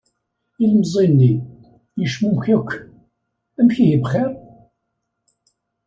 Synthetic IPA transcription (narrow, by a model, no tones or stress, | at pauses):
ilmzˤinːi | jəʃmumçækʷː | æmçijəbχɛɾ